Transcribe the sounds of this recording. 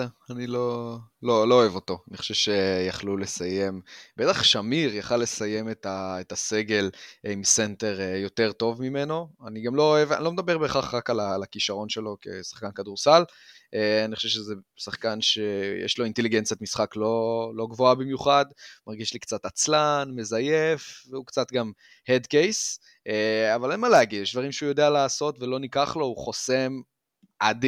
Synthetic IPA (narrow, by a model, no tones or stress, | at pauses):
anilo̞lo̞lo̞ːe̞vo̞t̪o̞aniχo̥ʃevʃejaχlule̞saje̞mbet̪aχʃamiʁjaχalːe̞saje̞met̪aet̪ase̞ɡe̞limsent̪e̞ʁjo̞t̪e̞ʁto̞vmime̞no̞aniɡamlo̞ːeva̰lomd̪abe̞ʁbeχaχʁakalalakiʃaʁo̞nʃe̞lo̞ke̞̰sḁχkankad̪uʁsal | ʔeaniχo̥ʃevʃeze | saχkanʃejḛʃlo̞int̪e̞liɡent͡sjat̪misχaklo̞lo̞ɡvoabimjuχad̪maʁɡiʃlikt͡sat̪at͡slanme̞zajefveukt͡sat̪ɡam | hed̪kejs | eavalenmaleaɡidjɛʃd̪vaʁimʃeujo̞d̪ealaːso̞t̪velo̞nikaχlo̞uχo̞sem | ʔad̪